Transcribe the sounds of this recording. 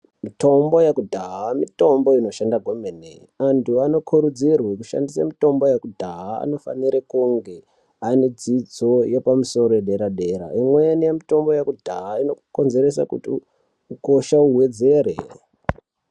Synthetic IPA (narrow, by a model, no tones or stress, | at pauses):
mito̞mbo̞jakudʱaɦamito̞mbo̞ino̞ʃandaɡʱomenḛ | antʰuano̞kʰuɾud͡zirwekuʃa̰ndisa̰mito̞mbo̞jekudʱaɦaa̰no̞fa̰niɾekuŋɡe̞ | ained͡zid͡zo̞jepamuso̞ɾoeɗeɾaɗe̞ɾa̰imwenijemito̞mbo̞jakudʱaɦaino̞kuko̞nze̞ɾe̞sa̰kṵtḭ | uko̞ʃauɦwe̞d͡ze̞ɾḛ